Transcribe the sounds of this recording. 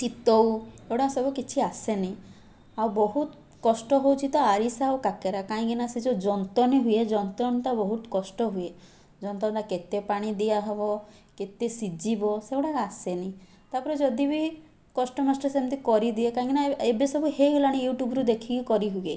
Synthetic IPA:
t͡ʃit̪ɔwewɽasɔbukit͡ʃʰiaseni | awbɔɦut̪ | kɔsʈɔɦowt͡ʃʰit̪ɔaɾisawkakeɾakaĩkinasid͡ʒod͡ʒɔnt̪ɔniɦujed͡ʒɔnt̪ɾɔnt̪abɔɦut̪ɔ̥kɔsʈɔɦuje | d͡ʒɔnt̪ɔnt̪aket̪epaɽ̃id̪iaɦebɔket̪esid͡ʒibɔsewɽakasenĩ | t̪apɔɾed͡ʒɔd̪ibi | kɔsʈɔmasʈɔsemnt̪ikɔɾid̪iekaĩkinaebesɔbuheulaɽ̃ijuʈjubɾud̪ekʰikikɔɾiɦuje

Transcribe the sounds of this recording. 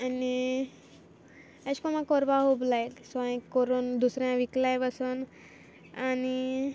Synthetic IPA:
ani | əskɔmãkɔɾʋaɦoblajlsɔj̃koɾond̪usɾjãʋiklajbasən | ani

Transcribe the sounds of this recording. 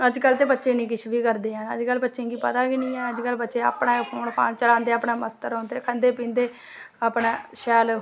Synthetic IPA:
əd͡ʒkəlːt̪eːbətːʃẽːnĩːkɪʃbiːkəɾd̪eːãːnə̰d͡ʒkəlːbətːʃẽːɡiːpət̪aːkinĩːɛ̃ːəd͡ʒkəlbətːʃeːa̰ːpɳãːpʰoːnpʰa̰ːnt͡ʃəlãːnd̪eːaːpɳaːməst̪əɾɔ̃ːnd̪eːkʰənd̪eːpĩːnd̪eː | apnaːʃɛːl

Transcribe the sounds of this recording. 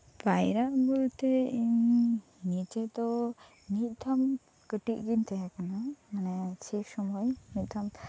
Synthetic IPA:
pajɾaʔbult̪ɛiɲ | nit͡ʃɛd̪ɔ | nit̪̚ˀt̪ʰam | kəʈiʔɡint̪ɛɦɛkanamanɛt͡ʃʰiksɔmɔjnit̪̚ˀd̪ʰam

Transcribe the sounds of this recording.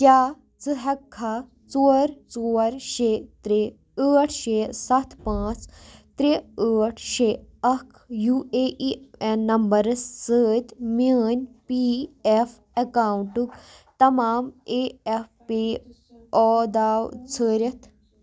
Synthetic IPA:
kjaː | t͡sɨɦɐkʰːa | t͡soːɾt͡soːɾʃeːt̪ɾe | əːʈʰʃeːsɐt̪ʰpãːt͡st̪ɾeəːʈʰʃeːɐkʰjueːʔienːɐmbɐɾɨsːəːt̪məːnʲpief | ɐkaːwɳʈukt̪ɐmaːmeːefpeː | ɔːd̪aːwt͡sʰəːɾʲɐt̪ʰ

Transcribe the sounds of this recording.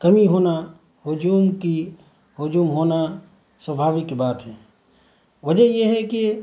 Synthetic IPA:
kɐmiɦoːna | ɦʊd͡ʒuːmki | ɦʊd͡ʒuːmɦoːna | swɐbʱaːʋɪkːbaːt̪ɦɛ̃ː | ʋɐd͡ʒəjeɦɛki

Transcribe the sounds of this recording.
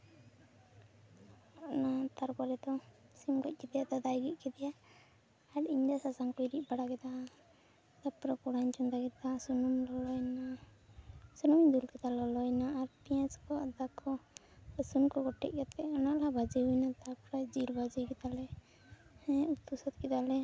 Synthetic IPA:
ɔnat̪aɾkɔɾɛd̪ɔsimkɔc̚ˀkɛd̪ɛjad̪ɔd̪ajɡit̪̚ˀkɛt̪ɛjaː | ʈiɲd̪asasaŋkɔiɾic̚baɽakɛt̪a | t̪apɾakɔɽaɲt͡ʃɔnd̪aɡɛt̪asunumlɔlɔjna | sunumd̪ulkɛt̪alɔlɔjnaːɾpijãskɔad̪akʰɔ | sunkɔɡɔʈɛ̰ʔ̚ˀkɛt̪ɛɔnaʔlabad͡ʒiɦujnat̪apɔɾad͡ʒiɾbad͡ʒikɛt̪alɛ | hɛ̃t̪usɔt̪̚kɛt̪alɛ

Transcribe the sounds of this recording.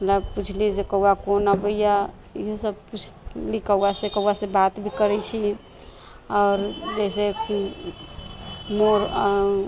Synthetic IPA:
mət̪əb̚put͡ʃʰlisekəuakonabəija | ḭɦosəbput͡ʃʰlikəuasekəuasebat̪bʱikəɾɛt͡ʃʰi | ɔːɾd͡ʒɛsek | moɾ

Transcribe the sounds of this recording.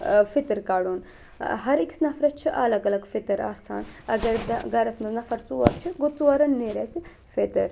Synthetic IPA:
fit̪ɐɾkaːɽuːn | ɦɐɾiksnɐfɾɐt̪̚t͡ʃʰiʔɐlɐɡɐlɐɡfit̪ɐɾa̰ːsa̰ːnɐɡɐɾɡɐɾɐsmɐznɐfɐɾt͡suːʋɐɾt͡ʃʰiɡut͡suʋɐɾɐnːeːɾɐsi | fet̪ɐ̰ɾ

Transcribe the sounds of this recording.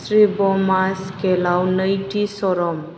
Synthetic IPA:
sɾibɔmaskelawnəjʈisɔɾɔm

